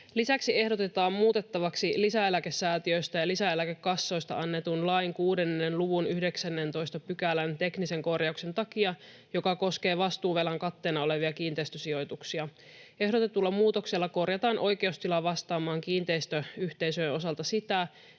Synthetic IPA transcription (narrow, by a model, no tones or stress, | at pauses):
lisæksie̞hdo̞t̪e̞t̪ɑːmmuːt̪e̞t̪ːɑʋɑksilisæelækesːæːt̪iøjst̪æjɑlisæelækekːɑsːo̞jst̪ɑ̰ʔɑnːet̪unlɑjŋkuːde̞nːenluʋunyhde̞ksænːe̞nt̪o̞jst̪ɑpykælænt̪e̞knise̞ŋko̞rjɑukse̞nt̪ɑkiɑ | jo̞kɑko̞ske̞ːʋɑst̪uːʋelɑŋkɑt̪ːe̞ːnɑo̞le̞ʋiɑkiːnt̪ejst̪øsio̞jt̪uksiɑ | e̞ɦɾot̪et̪ulːɑmuːt̪o̞ksilːɑko̞rjɑt̪ɑːnʔo̞jk̟e̞ust̪ilɑʋɑst̪ɑːmɑːŋkiːnt̪eist̪øyht̪e̞jsøjenʔo̞sɑlt̪ɑsit̪æ